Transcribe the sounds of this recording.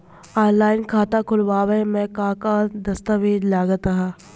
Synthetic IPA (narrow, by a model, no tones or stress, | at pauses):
aːlaːɪnkʰaːt̪akʰʊlʋaːʋemɛ̃kãːkad̪ɐst̪aʋeːd͡ʒlaːɡət̪aɦã